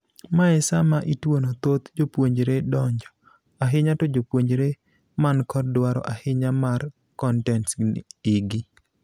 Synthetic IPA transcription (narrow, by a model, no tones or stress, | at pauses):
maɛsamaʔitwonot̪ot̪d͡ʒopwoɲd͡ʒɾedɔɲd͡ʒɔ | aɦɪɲatɔd͡ʒopwoɲd͡ʒɾe | mankɔdwaɾɔ̰ʔahɪɲamar | kɔntɛntiɡi